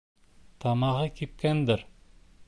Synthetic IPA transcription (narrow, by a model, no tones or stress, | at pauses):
t̪ʰɑmɑʁɤkʲip̚kʲænd̪ɪɾ